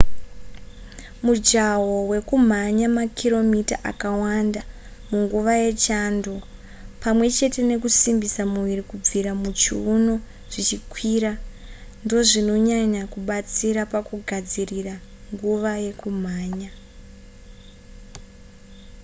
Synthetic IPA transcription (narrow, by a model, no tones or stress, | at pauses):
mud͡ʒawo̞we̞kum̤aɲamakʰiɾo̞mitaʔa̰kawanda | muŋɡuʋaje̞t͡ʃando̞ | pamwe̞t͡ʃe̞te̞ne̞kusimbisamuʋiɾikub͡viɾamut͡ʃiuno̞ | ʐ̥it͡ʃikwiɾa | ndo̞ʐino̞ɲaɲakuɓat͡siɾapakuɡʱad͡ziriraŋɡuʋaje̞kum̤aːɲa